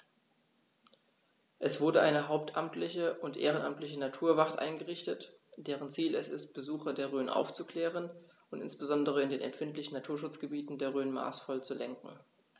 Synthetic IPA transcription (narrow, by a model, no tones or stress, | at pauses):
ʔɛsv̥ʊɐdəʔaɪnəɦaʊp̚tʔamtlɪçəʔʊntʔḛːʁənʔa̰mtlɪçənatʰuːɐvaʁtʔa̰ɪnɡəʁɪçtət | d̥eːʁ̞ənt͡siːlɛsɪ̰st̚b̥əzuːxɐdeːɐʁøːnʔa̰ʊft͡suklɛːʁən | ʔʊntɪ̰nsb̥əzɔndəʁ̞əɪndeːnɛ̰mfɪntlɪçn̩natʰuːɐʃ̬ʊt͡sɡ̥əbiːtn̩deːɐʁøːnma̰ːsfɔlt͡sulɛŋkŋ̩